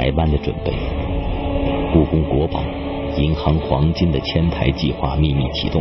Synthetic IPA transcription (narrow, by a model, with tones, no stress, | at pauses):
a˧˥ɪpa˥˩nd̪ə˨˩ʈ͡ʂwə̰˨˩npe˥˩ɪ | ku˥˩kʊ˥ŋkwɔ˧˥pɑ˨˩˦ʊ | i˧˥nxɑ˧˥ŋxwɑ˧˥ŋt͡ɕi˥nd̪ə˨t͡ɕʰjɛ˥nt̪ʰa˧˥ɪt͡ɕi˥˧xwa̰˥˧mi˥˧mi˥˩t͡ɕʰḭ˧˥t̪ʊ˥˩